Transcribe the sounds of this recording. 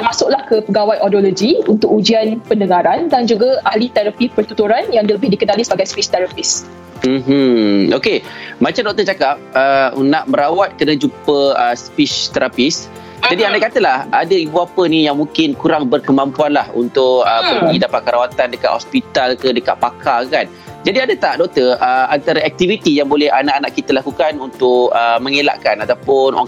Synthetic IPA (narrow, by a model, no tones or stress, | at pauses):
tmasʊʔlahkəpəɡawajʔɔdolod͡ʒiunt̪ʊkud͡ʒianpəndəŋaɾandand͡ʒuɡaahlit̪ɛɾapipərt̪ut̪uɾanjaŋdləbɪhdikənalisəbaɡajspiʃt̪ɛɾapɪs | m̩ɦ̩okemat͡ʃamdɔk̚t̪ət͡ʃakap̚ənaʔməɾawat̪̚kənad͡ʒupəəspit͡ʃt̪ɛɾapɪs | d͡ʒadiandaʔkat̪əlahadəibuapənijaŋmũŋkɪnkuɾaŋbərkəmãmpuanlahṵnt̪ʊkəpərɡidapat̪̚kəɾawat̪andəkat̪ʔ̚hɔspit̪alkədəka̰ʔpakʰakan | d͡ʒadiadat̪aʔdɔk̚t̪əəant̪aɾaɛk̚t̪ivit̪ijaŋbolɛhanaʔanaʔkit̪əlakukanunt̪ʊkəmə̃ŋela̰ʔkanat̪awpʊnw̰